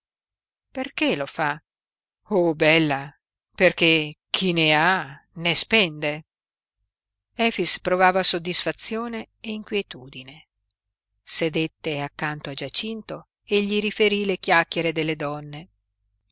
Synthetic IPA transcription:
perkelofa | obɛlːa | perkek̟ʰinea | nespɛnd̪e | ɛːfispɾovaːvasod̪ːisfat̪sːjoːne | eiŋkwjet̪uːd̪ine | sed̪et̪ːeakːant̪oad͡ʒat͡ʃint̪o | eʎːiɾifeɾilek̟jakːeɾed̪elːed̪ɔnːe

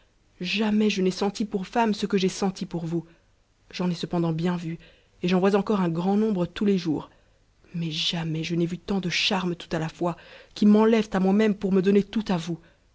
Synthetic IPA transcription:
ʒamɛʒənɛsɑ̃t̪ipuʁfamsəkəʒesɑ̃t̪ipuʁvu | ʒɑ̃nɛsəpɑ̃d̪ɑ̃bjɛ̃vy | eʒɑ̃vwazɑ̃kɔʁɛ̃ɡʁɑ̃nɔ̃bʁət̪uleʒuːʁ | mɛʒamɛʒənɛvyt̪ɑ̃d̪əʃaʁmt̪u̥t̪alafwakʲimɑ̃lɛvt̪amwamɛmpuʁməd̪ɔnet̪ut̪avu

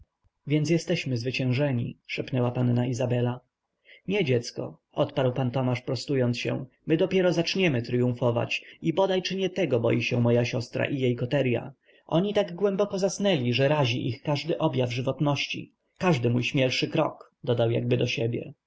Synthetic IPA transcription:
vʲjɛnt̪sjɛst̪ɛɕmɘzvɘt͡ɕɛ̃w̃ʐɛɲḭʂɛpnɛwapanːaizabɛla | ɲɛd͡ʑɛt̪skɔ̰ʔɔt̪paɾwpant̪ɔmaʂpɾɔst̪ujɔnt̪sɕɛ̰̃ | mɘd̪ɔpʲjɛɾɔzat͡ʂɲɛmɘt̪ɾɘjũfɔva̰t͡ɕibɔd̪ajt͡ʂɘɲɛt̪ɛɡɔbɔ̰jiɕɛmɔjaɕɔst̪ɾa̰ʔijejkɔt̪ɛɾja̰ | ʔɔɲit̪aɡɡwɛmbɔkɔzasnɛlʲiʐɛɾaʑḭʔixkaʐd̪ɘʔɔbʲjavʐɘvɔt̪nɔɕt͡ɕḭ | kaʐd̪ɘmujɕmʲɛlʂɘkɾɔ̰k | d̪ɔd̪awja̰ɡ̚bɘd̪ɔɕɛbʲjɛ̰

